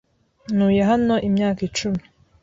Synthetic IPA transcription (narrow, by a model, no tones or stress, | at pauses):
nuːjeɦano̞ʔimɲaːkit͡ʃumi̥